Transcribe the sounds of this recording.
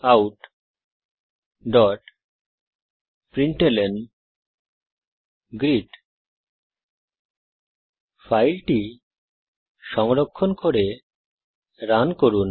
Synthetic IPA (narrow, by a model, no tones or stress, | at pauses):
awʈ | ɖɔʈ | pɾiɳʈelen | ɡɾiʈ | fajlʈi | ʃɔŋɾokʰːonkoɾe | ɾankoɾun